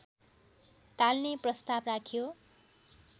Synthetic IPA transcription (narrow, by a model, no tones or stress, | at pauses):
t̪alneprʌst̪abrakʰijo